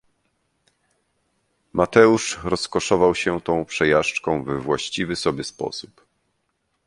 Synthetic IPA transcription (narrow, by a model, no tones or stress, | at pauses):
mat̪ɛuʂɾɔskɔʂɔvawɕɛt̪ɔ̃w̃pʂɛjaʂt͡ʂkɔ̃w̃vɛvwaɕt͡ɕivɘsɔbʲjɛspɔ̰sup